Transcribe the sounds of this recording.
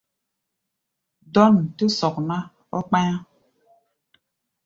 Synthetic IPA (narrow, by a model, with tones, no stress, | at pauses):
dɔ˦˨nte˦sɔ˨k̚na˦ | ɔ̰˦k͡pa˦a˦